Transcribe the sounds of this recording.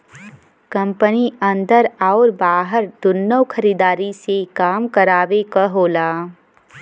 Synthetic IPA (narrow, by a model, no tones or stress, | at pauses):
kɐ̃mpəniɐ̃nd̪əɾaːɾbaːɦəɾd̪̥ʊnːəwkʰəɾiːd̪aːɾisekaːmkəɾaːʋekəɦoːlaː